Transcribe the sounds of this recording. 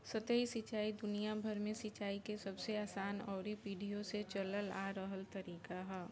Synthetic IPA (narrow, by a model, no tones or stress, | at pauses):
sət̪eisɪt͡ʃaːid̪ʊnijabʱəɾmẽsɪt͡ʃaːikesɐbseaːsaːnɔːɾipiːɖʱijõset͡ʃɐləlaːɾəɦəlt̪ɐɾiːkaɦɛː